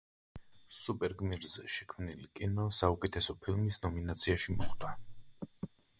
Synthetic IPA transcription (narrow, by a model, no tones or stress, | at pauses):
supʼɛɾɡmiɾzɛʃɛkʰmnilikʼinɔsaukʼɛt̪ʰɛsɔpʰilˠmisnɔminat̪sʰiaʃimɔχd̪a